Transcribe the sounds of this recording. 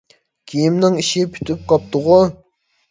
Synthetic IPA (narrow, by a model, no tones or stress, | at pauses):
kʲʰijimnɪŋiʃipʰy̥t̪ʰyp̚qʰɑp̚t̪ʊʁʊ